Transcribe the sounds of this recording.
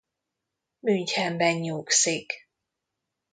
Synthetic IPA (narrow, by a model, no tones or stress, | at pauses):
myɲchɛmbɛɲɲuːksik